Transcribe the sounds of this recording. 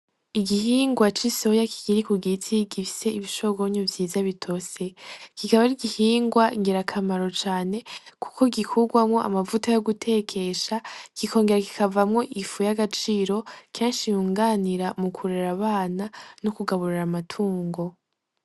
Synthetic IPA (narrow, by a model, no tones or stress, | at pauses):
iɡihiːŋɡwat͡ʃiso̞jakʰi̥ɡ̥iɾikuɡit͡sʰiɡifi̥se̞iβiʃoɡo̞ɲovjiːzaβitʰo̞se̞kikaβaɾiɡihiːŋɡwaŋɡeɾakʰamaɾo̞t͡ʃaːne̞ku̥ko̞ɡikʰuɡwamŋo̞ʔa̰mavutajoɡutʰe̞kʰe̞ʃakiko̞ːŋɡe̞ɾaki̥kavamŋo̞ʔifujaɡat͡ʃiɾo̞kʰeːnʃijuːŋɡaːniɾamukʰuɾeɾaβaːnanokuɡaβuɾiɾamatʰuːŋɡo̞